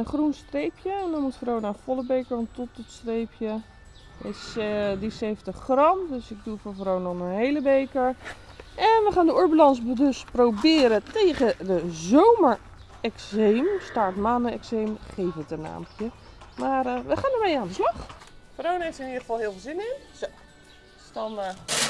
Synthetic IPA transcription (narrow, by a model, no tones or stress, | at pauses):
ənχrunstrejpjəɛndɔnmutfrownafɔlˠəbejkəɹɔntɔtɔtstrejpʰjə | ɪsdiseftəχːrɑmdøsɪɡ̚dufoɹvrownɔənɦejləbejkəɹ | ʔɛnʋəχaːndəuɹbalɑnsbədɵsprowbɪːɾətejɣədəzowməɹ | ɛksejmstaɹtmaːnəɛ̰ksejmχejvətəna̰ːmpjəmaːrʋəχaːndəɹmejaːndəslɑχfrownejftɪnidəχə̥fɑlˠɦɪːlˠvɪːlˠzɪnɪn | zo | dɔn